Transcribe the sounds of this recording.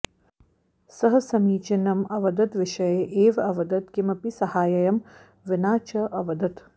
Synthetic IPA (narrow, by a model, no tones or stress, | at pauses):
sɐɦɐsɐmiːt͡ʃinɐmɐʋɐd̪ɐt̪ʋɪʃɐjeʔeːʋɐʋɐd̪ɐt̪kimɐpisɐhaːjɐjɐm | ʋɪnaːt͡ʃɐʔɐʋɐd̪ɐt̪